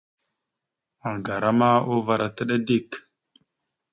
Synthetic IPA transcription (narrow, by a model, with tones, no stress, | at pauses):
a˨ŋɡa˨ɾa˦ma˦o˦va˨ɾa˨ta˦ɗa˦di˦˨k